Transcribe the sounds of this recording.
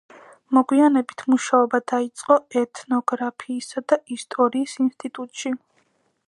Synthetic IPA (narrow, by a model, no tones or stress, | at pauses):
mɔɡwianɛbit̪ʰmuʃaɔbad̪ait̪sʼqʼɔɛt̪ʼʰnɔɡɾapʰiːsad̪aist̪ʼɔɾiːsinst̪ʼit̪ʼut̪ʼʃi